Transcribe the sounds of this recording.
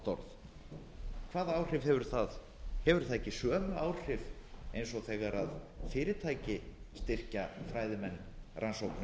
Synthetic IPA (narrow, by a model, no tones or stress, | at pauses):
t̪ɔ̰ɾθ | kʰvaːðaaːwr̥ɪv̥hɛvʏɾ̥θað | hɛvʏɾ̥θaðecːɪsœːmaʔaːwr̥ɪvejnsɔθɛːɣaɾað | fɪːɾɪt̪ʰaːjcɪst̪ɪr̥cafɾaːjðɪmɛnː | rʔansowkn